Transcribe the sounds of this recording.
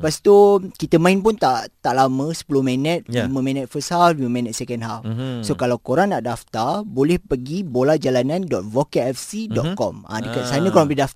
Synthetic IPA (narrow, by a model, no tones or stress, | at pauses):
past̪ukit̪əmãinpunt̪aʔt̪aʔlamə̃sə̥pulohmɛ̃nə̃t̪̚limə̃mɛ̃nət̪̚fəshaflimə̃mɛ̃nət̪̚sɛkɛnɦafsokalawkoɾaŋnaʔdaft̪arbolɛhpəɡibolad͡ʒalanãndɔt̪̚vokeɛfsidɔt̪̚kɔ̰mã̰dəkat̪sanə̃koɾãŋbidaft̪